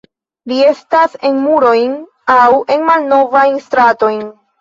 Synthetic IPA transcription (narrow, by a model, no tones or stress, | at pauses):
lie̞stase̞nmuɾo̞jn | awe̞nmalno̞vajnstɾato̞jn